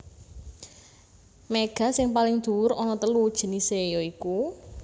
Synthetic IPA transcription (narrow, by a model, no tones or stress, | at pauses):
meɡ̥ä̤sɪŋpalɪŋd̪̥ṳwʊɾɔnɔt̪əlud̥ʒ̥ə̤nisejɔiku